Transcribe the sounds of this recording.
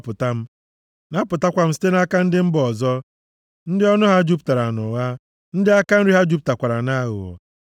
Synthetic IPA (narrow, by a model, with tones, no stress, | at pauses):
pʊ˨ta˦m̩˦ | na˦pʊ˨ta˦kʷa˨m̩˦s̬i̥˦te˦na˦ka˦n̩˦dɪ˦m̩˦bɔ˨zɔ˦ | n̩˦dɪ˦ɔ˦nʊ˦ɦa˦d͡ʒu˦p̬ta˨ɾa˨nʊ˨ɣa˦ | n̩˦dɪ˦a˦ka˦n̩˦ɾi˦ɦa˦d͡ʒu˦p̚ta˨kʷa˨ɾa˨na˦ɣʊ̰˨ɔ̰˨